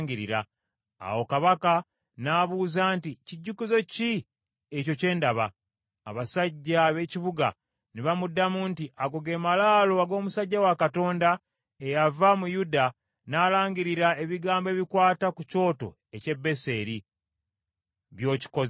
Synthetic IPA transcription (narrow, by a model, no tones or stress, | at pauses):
ŋɡiɾḭɾa | a̰wo̞kaβaka | naːβuːzaːnticiɟːukuzo̞ci | eco̞ce̞ːndaβa̰ː | βasaɟːaβe̞ciβuɡa̰ | niβamudːamuntiʔaɡoɡe̞ːmalaːloaɡo̞ːmusaɟːawakato̞ːnda | e̞javamujuda | naːlaːɲɡiɾiɾae̞βiɡaːmbe̞ːβikwaːtakuco̞ːto̞̰ | e̞ce̞bːe̞se̞ːɾi | βjo̞ːci̥ko̞z